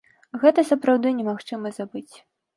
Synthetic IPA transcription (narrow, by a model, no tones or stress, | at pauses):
ɣɛt̪ɐsɐpɾawd̪ɨnʲɛmaxt͡ʂɨmɐzabɨt͡sʲ